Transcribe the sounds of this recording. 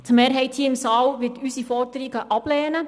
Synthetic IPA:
t̪meːɾɦɛɪthiːəɪmsɑːlʋɪtysifɔɾdəɾiɡəʔɑb̥lɛːnə

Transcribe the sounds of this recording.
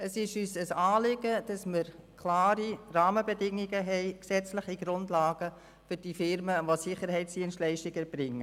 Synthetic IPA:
əsɪʃyːsəsɑːlɪɡəd̥ɑsməɾkʰlaːɾirɑːməbɛdɪŋːiɡəɦɛɪksɛt͡sləχiɡɾʊndlɑːɡ̥ə | fʏɾd̥ifɪɾməʋosɪχəɾɦɛɪtsd̥iənstlɛɪʃtɪɡɛɾb̥ɾɪŋːə

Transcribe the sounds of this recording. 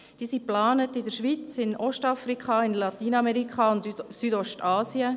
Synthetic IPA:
d̥iːsiplɑːnətɪdəɾʃʋit͡sɪnʔɔʃtɑfɾikʰχɑɪnlɑt̪iːnɑmɛɾikχɑʊndsydɔʃtɑːsiə

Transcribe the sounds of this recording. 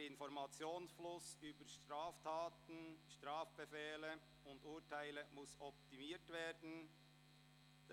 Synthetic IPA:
ɪnfɔɾmɑt͡sjoːnsflʊsyːbəɾʃtɾaːftʰɑːtn̩ʃtɾɑːfb̥efɛːlə | ʊnduːtʰaɪləmʊsɔp̚timiːtveːd̥n̩ | d

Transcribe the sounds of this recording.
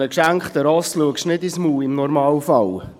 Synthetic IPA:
əkʃæŋkχt̪əɾɔsluəkʃnɪdismuːɪmnɔɾmɑːwfɑl

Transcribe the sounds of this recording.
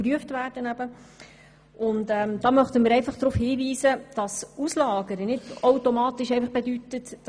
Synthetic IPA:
ryəftvæːrd̥ənæbə | ʊntɛːmdɑːmœχt̪əmɪɾɛɪfɑχd̥̪ɾuːfhiːviːsəd̥ɑsuslɑːɡəɾənɪdoʊtomɑːtɪʃɛɪfɑχb̥edytətː

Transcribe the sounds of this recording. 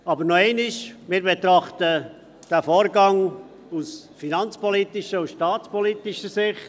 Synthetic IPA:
ɑbəɾnoeɪniʃmɪːɾbet̪ɾɑχtə | d̥æfoːɾɡɑŋ | us | finɑnt͡spɔlit̪ɪʃəusʃtɑːt͡spɔlit̪iʃəsɪχt

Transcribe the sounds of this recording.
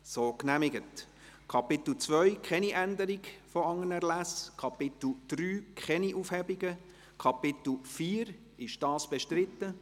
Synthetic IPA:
soːknæmɪɡət | kʰɑpɪt̪l̩t͡sʋœʏkχɛniʔænd̪əɾɪɡfɔɑŋːənɛʁlæskʰɑpɪt̪l̩d̪̥ryːkʰχɛniʔufhɛbiɡə | kʰɑpɪt̪l̩fiːɾ | ɪʃd̥ɑːsb̥ɛʃtɾɪt̪ːə

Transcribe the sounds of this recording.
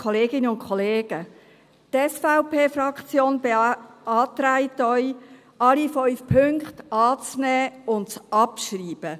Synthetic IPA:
kʰɔleːɡɪnəʊnkʰɔleːɡ̥ə | tɛsfaʊpʰeːfrɑkt͡sjoːnbeɑːtɾaɪtœʏ | ʔɑlifɔʏfpʰʏŋktɑːt͡snɛːʊnt͡sɑpʃriːb̥ə

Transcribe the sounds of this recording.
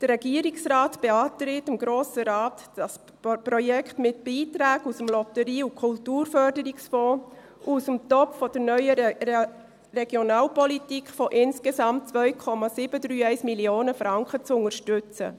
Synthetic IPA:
d̥ərːɛɡ̥iəɾiksɾɑːtb̥eɑːtɾɪtəmɡɾoːsəɾɑːtɑs | pɾɔjɛkχtmɪt̚b̥iːtɾæːɡusəmlɔtəɾiːukʰʊltuːɾfœɾdəɾiksfɔː | ʔusəmt̪ɔpffɔd̥əɾnœʏə | rɛɡ̥jonɑːlpɔlitikχfɔʔɪnskesɑmt̚t͡sʋœʏkʰɔmɑsɪb̥ədɾyːɛɪsmilioːnəfɾɑŋkət͡sʊŋəʃtʏt͡sə̰

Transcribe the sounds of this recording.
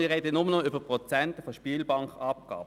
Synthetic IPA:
ɪʁeːdənʊmənɔʏbəpʁɔt͡sɛntəfɔʃpiːlbɑŋkɑp̚ɡ̥ɑ̰ːb

